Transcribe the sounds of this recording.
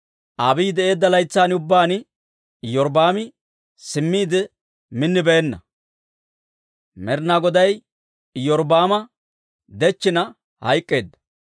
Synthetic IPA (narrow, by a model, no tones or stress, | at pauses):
ʔaːbiːd̪ɛʔe̞ːd̪ːɐlɐjt͡sːaːnʊbːaːn | jɔɾbaːmɪ | sɪmːiːd̪ɪ | mɪnːɪbɛɛnːɐ | mɛɾnaːɡɔd̪ɐj | jɔɾbaːmɐ | d̪ɛt͡ʃːɪnɐ | hɐ̰jkʼːe̞ːd̪ːɐ̥